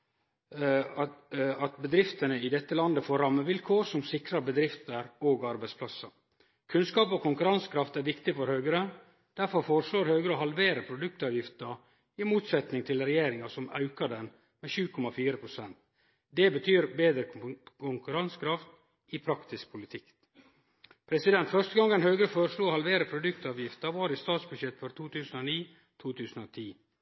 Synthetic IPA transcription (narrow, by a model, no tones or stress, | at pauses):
ɑt̪̚bəd̪ɾɪft̪ənəɪd̪ɛt̪ːəlɑnd̪əfoːɾɑmːəʋɪlkʰoːɾsɔmsɪkɾɑɾbəd̪ɾɪft̪əɾoːɡɑɾbæɪspʰlɑsːəɾ | kʰʉnskɑːpɔkʰʊŋkʉɾɑnskʰɾɑft̪æɾʋɪkt̪ɪfɔɾhœːɡɾə | d̪̥æɾfɔɾfoːɾəʂloːɾhœːɡɾəɔhɑlʋeːɾəpʰɾʊd̪ʉk̚t̪ɑːʋjɪft̪ə | ɪmuːt̪sɛt̪nɪŋt̪ʰɪlɾɛjeːɾɪŋɑsɔmɑ̰ʉkɑd̪ɛn | mɛʃʉːkʰɔmɑfiːɾəpʰɾʊsɛnt̪ | d̪ɛbət̪ʰyːɾbeːd̪ɾəkʰʊŋkʉɾɑnskʰɾɑft̪ | ɪpʰɾɑkt̪ɪsk̚pʰʊlɪt̪ʰɪk | pʰɾɛsɪd̪ɛnt̪fœʂt̪əɡɑŋːɛnhœːɡɾəfoːɾəʂɭuːohɑlʋeːɾəpʰɾʊd̪ʉk̚t̪ɑːʋjɪft̪əʋɑːɾɪst̪ɑːt̪sbʉd̪ʃjɛt̪ːfɔɾt̪ʰuːt̪ʰʉːsnoːniː | t̪ʰuːt̪ʰʉːsn̩oːt̪ʰiː